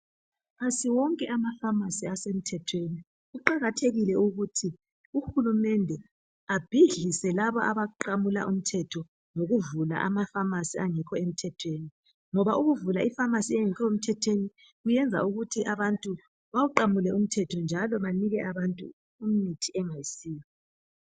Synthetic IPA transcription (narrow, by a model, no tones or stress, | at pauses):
pʰasiwɔŋkʼɛʔamafamasiasem̩tʰɛtʰweni | ɣuǃaɣatʰeɣilɛuɣutʰi | uxulumɛndʱɛ | ab̥ʱiɮisɛlaβɔʔaβaǃamula̰ʔum̩tʰɛtʰɔ | ŋoɣuvula̰ʔa̰mafamasiaŋɛkʰɔem̩tʰɛtʰweːni | ŋɔβaʔuɣuvulaifamasiɛŋikʰɔem̩tʰɛtʰweni | ɣujɛnd͡zʱa̰uɣutʰiʔaβantʼu | βawuǃamulɛum̩tʰɛtʰɔnd͡ʒʱalɔβaniɣɛʔaβantʼṵː | m̩mitʰiɛŋajisiːjɔ